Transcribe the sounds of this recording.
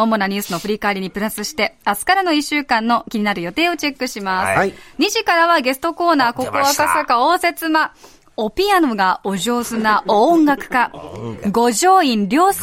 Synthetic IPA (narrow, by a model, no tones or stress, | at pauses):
omo̞naɲ̟ʲɨːsɨno̞ɸɯ̟ɾʲikaːɾʲiɲ̟ipɯ̟ɾasɨɕi̥t̪e̞asɨ̥kaɾano̞iɕːɨːkãnːo̞kʲiɲ̟inaɾɯ̟jo̞t̪e̞ːo̞t͡ɕe̞kːɯ̟ɕimasɨɲ̟iʑikaɾaβaɡe̞sɨ̥t̪o̞ko̞ːnaːko̞koakasakaoːse̞t͡sɨma | opʲiano̞ɡao̞ʑo̞ːzɨnãːŋɡakɯ̟̥kaɡo̞ʑo̞ːĩnɾʲo̞ːs